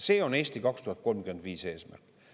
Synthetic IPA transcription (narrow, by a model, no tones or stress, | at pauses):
se̞ːo̞ne̞ːsʲt̪ikɑkst̪uhɑt̪̚ko̞lmkyend̪̥viːse̞ːsmæ̰rkˑ